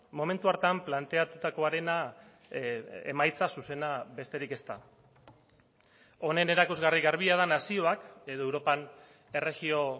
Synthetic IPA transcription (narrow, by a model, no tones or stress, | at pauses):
mo̞me̞nt̪uaɾt̪amplant̪e̞at̪ut̪ako̞aɾe̞na | ḛmajt͡sasuse̞naβe̞st̪e̞ɾike̞st̪a̰ | o̞ne̞ne̞ɾakuzɣariɣaɾβiað̞anasio̞ake̞ðo̞ewɾo̞pan | e̞re̞ɣio̞